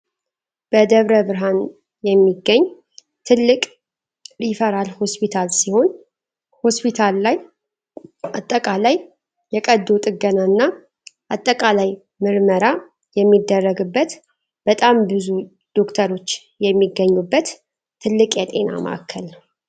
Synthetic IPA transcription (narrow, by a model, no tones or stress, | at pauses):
b̥əd̪əβɾəβɨɾɦan | jɛmːiɡːəɲː | t̪ʰɨlːɨkʼ | ɾifəɾalho̞spʰit̪ʰalsiho̞n | ho̞spʰit̪ʰalːaj | at̪ʼːəkʼalaj | jɛkʼəd̪ːot̪ʼɨɡənanːa | ʔat̪ʼːəkʼalaj | mɨɾməɾa | jɛmːid̪ːərːəɡɨbːət̪ | b̥ət̪ʼambɨzu | d̪̥o̞kt̪ʰəɾo̞t͡ʃː | jɛmːiɡəɲːubːət̪ʰː | ɨlːɨkʼjɛt̪ʼe̞na̰mə̰ʔa̰kʰːəl